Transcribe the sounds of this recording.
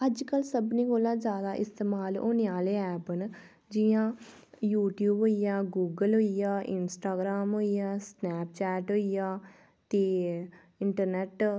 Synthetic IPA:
əd͡ʒkəlsəbnĩːkoːlãːd͡ʒjaːd̪aːʔɪst̪eːmaːlo̰ːneaːleːɛːpən | d͡ʒɪjãː | juːʈjuːbɦoːijãːɡuːɡəlɦoːijaːʔɪnsʈaːɡɾaːmɦoːijãːsnɛːpt͡ʃɛːʈɦoːijaː | t̪eː | ɪɳʈəɾnɛːʈ

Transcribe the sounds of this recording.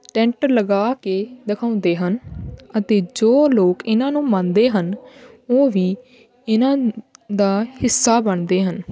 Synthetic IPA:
ʈɛ̃ːɳʈəɾləɡaːkeːd̪ɪkʰaːʊ̃nd̪eːɦənət̪eːd͡ʒoːloːkɪnãːnũːmãːnd̪eːɦənoːʋiː | ɪnãːd̪aːhɪsːaːbəɳd̪eːɦən

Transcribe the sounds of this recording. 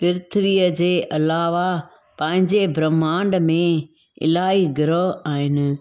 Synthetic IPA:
pɪɾɪt̪ʰəʋiːəd͡ʑeːʔɐlaːʋa | pɐ̃ɦɪ̃ɲd͡ʑebɾəmãːɳɖmẽ | ɪ̰laːiɡɪɾəɦaːɦɪnɪ̆

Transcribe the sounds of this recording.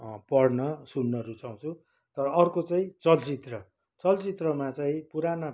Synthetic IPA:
pʌrnʌsunːʌɾut͡saw̃t͡sʰu | t̪ʌɾʌːrkot͡saĩt͡sʌlt͡sit̪rʌ | t͡sʌlt͡sit̪rʌmat͡saĩpuɾana

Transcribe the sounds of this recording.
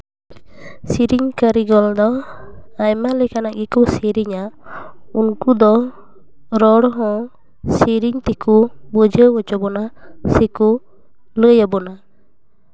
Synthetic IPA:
siɾiɲkəɾiɡɔld̪ɔ | ajmalɛkanaʔɡikɔsiɾiɲa | unkud̪ɔ | ɾɔɽɦɔ̃ | siɾiɲt̪ɛkubəd͡ʒʱəwət͡ʃɔbɔnasɛku | ləjabɔna

